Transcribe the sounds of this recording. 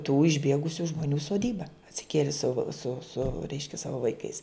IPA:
tuː ɪʒʲˈbʲiɛɡʊsʲʊ ʒmoːˈnʲuː soːˈdʲiːbɐ ɐtʲsʲɪˈkʲiɛlʲɪ sʊ sʊ sʊ ˈrʲɛɪʃʲkʲɛ ˈsɑːʋoː ʋɐɪˈkɐɪs

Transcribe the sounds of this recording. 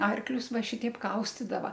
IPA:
ˈɐrklʲʊs ˈʋɐ ˈʃʲɪtʲɛɪp ˈkɐʊsʲtʲɪdɐʋɐ

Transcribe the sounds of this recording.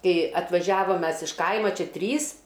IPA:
ˈkɐɪ ɐtʋɐˈʒʲæːʋɐm ˈmʲɛs ɪʃ ˈkɐɪmɐ ˈt͡ʃʲɛ ˈtʲrʲiːs

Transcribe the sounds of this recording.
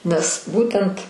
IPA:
nʲɛs ˈbuːtʲɛnt

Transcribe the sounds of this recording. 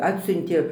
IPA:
ˈɑːtʲsʲʊnʲtʲeː

